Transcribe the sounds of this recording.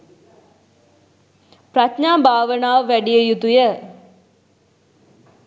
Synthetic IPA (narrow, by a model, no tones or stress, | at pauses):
pɾatɲaːbʱaːʋənaːʋəʋæɖijəjut̪ujə